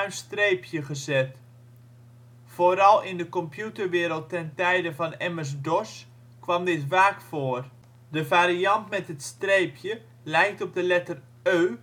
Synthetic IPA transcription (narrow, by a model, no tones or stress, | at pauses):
ɥnstrejpʰjəχəzɛt | foːɾɑlˠɪndəkɔmpjutərʋɪːɾəlˠtːɛntɛjdəvɑnɛmərs̬dɔs | kʋɑmdɪtʋaːkfoːər | dəvaːɾiɑntmɛtɦətstrejpʰjə | lɛjk̚tɔb̚dəlɛtər | øː